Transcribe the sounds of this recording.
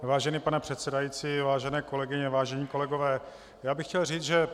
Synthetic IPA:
vaːʒɛniːpanɛpr̥ɛt̪sɛdajiːt͡siːvaːʒɛnɛːko̞lɛɡɪɲɛvaːʒɛɲiːko̞lɛɡovɛː | jaːbɪxcɛlriːt͡sʒɛ

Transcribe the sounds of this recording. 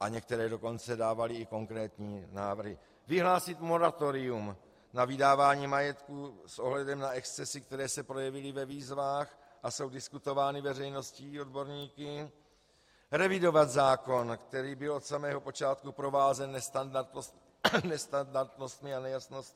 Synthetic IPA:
ʔaɲɛk̚t̪ɛɾɛːdo̞ko̞nt͡sɛdaːvalɪːko̞ŋkɾɛːt̪ɲiːnaːvr̩ɦɪ | vɪɦlaːsɪt̪mo̞ɾat̪o̞ɾɪum | navɪdaːvaːɲiːmajɛt̪kusʔo̞ɦlɛdɛmnaɛkst͡sɛsɪkt̪ɛɾɛːsɛpɾo̞jɛvɪlɪvɛviːzvaːx | ʔaso̞wdɪskut̪o̞vaːnɪvɛrɛjno̞sciːo̞dbo̞ɾɲiːkɪ | ɾɛvɪdo̞vat̪zaːko̞nkt̪ɛɾiːbɪlo̞t̪samɛːɦo̞po̞t͡ʃaːt̪kupɾo̞vaːzɛnːɛst̪andaɾt̪nost̪ | nɛst̪andaɾt̪no̞st̪mɪanɛjasnost̪̚

